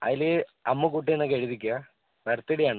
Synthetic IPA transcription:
ɐ̰ðilɨɐmːukuːʈːienːɐkeɻiðikʲːua | ʋɐɾt̪ːiɽijaːɳɨ

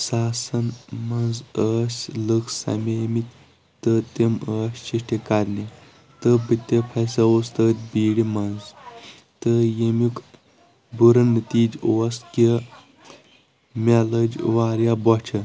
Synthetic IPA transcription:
saːsɐnmɐnzəsləksɐ̰memit̪ʲ | t̪ət̪eməːst͡ʃiʂʈekaɾne | t̪əbit̪ːepʰɐsɐost̪ət̪biːɽimɐnz | t̪əjemuk | buɾɐnːət̪iːd͡ʒoske | mʲeləd͡ʒʋaːɾjabɔt͡ʃʰɐ

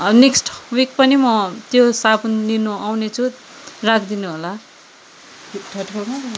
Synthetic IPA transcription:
neksʈwikpʌnimʌt̪josabunlinuawnet͡sʰu | rakʰd̪inuɦola | ʈʰʌʈkʌma

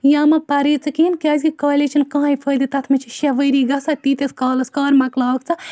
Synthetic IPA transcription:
jãːmɐpɐɾit͡sɐkinkaːzʲkikoːlit͡ʃʰinkɐɦãjpʰəd̪it̪ɐt̪ʰmit͡ʃʰiʃaʋəɾiɡɐsat̪it̪eskaːlɐskɐːɾmɐklaːkt͡sʰa

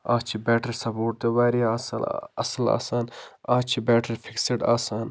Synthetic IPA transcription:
aːt͡ʃʰibɛːʈɐɾsɐpoːʈ̚t̪ebaːɾiasɐsɐla̰ːsaːnaːt͡ʃʰibɛːʈʰɐɾfʰikseʈaːsaːn

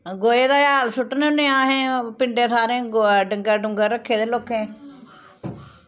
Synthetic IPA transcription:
ɡoːeːd̪aːjaːlsʊʈːnnẽːaːɦẽːpɪɳɖeːt̪ʰaːɾẽːɖəŋɡəɾɖʊŋɡəɾɾəkʰːeːd̪eːloːkʰːẽː

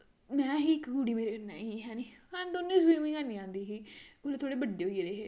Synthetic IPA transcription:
mɛ̃ːɦiːɪkɡuːɽiːmeːɾeːkənːa̰ːiːɦɛːniːhənd̪oːnẽːsbiːmĩːɡanĩːãːnd̪iːɦiːɡuːɽeːt̪ʰoːɽeːbəɖeːoiːɾeːɦeː

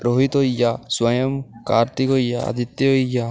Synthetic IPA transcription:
ɾoɦit̪ɔjaswajɔmkaɾt̪ikojaa̰d̪it̪ːeoja

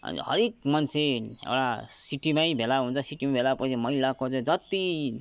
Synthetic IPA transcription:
ʌ̰n̰ɦʌ̰ɾekk̚mʌnt͡sʰeḛwɽasiʈimajbʱelaɦunt͡sʰʌsiʈimabʱelapʌt͡sʰimʌilakod͡zʌ̃d͡zʌt̪i

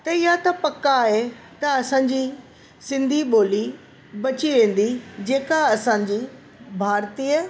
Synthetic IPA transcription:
t̪ɐɪjat̪ɐpɐkːaɦe | t̪ɐɐsãɲd͡ʑiː | sɪ̃nd̪ʱiɓoːli | bɐt͡ɕiʋẽːn̆d̪id͡ʑeːkaɐsãːd͡ʑiː | bʱaːɾt̪iːə

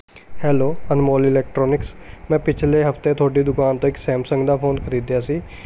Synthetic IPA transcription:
hɛːloːənmoːlɪlɛːk̚ʈɾoːnɪksmɛ̃ːpɪt͡ʃʰleːɦəft̪ẽːt̪ʰoːʈiːd̪ʊkaːnt̪õːɪksɛːmsə̃ŋɡd̪aːpʰoːnkʰəɾiːd̪jaːsiː

